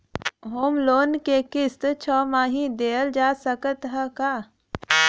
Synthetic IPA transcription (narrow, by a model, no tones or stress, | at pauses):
ɦoːmloːnkekɪst̪t͡ʃʰɔːmaːɦĩd̪eːəld͡ʒaːsəkət̪ɦɛkaː